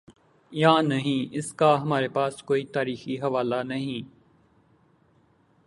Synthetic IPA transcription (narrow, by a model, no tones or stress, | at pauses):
jãːnɐɦĩːɪskaɦɐmaːɾepaːskoːit̪aːɾiːxiɦɐʋaːlanɐɦĩː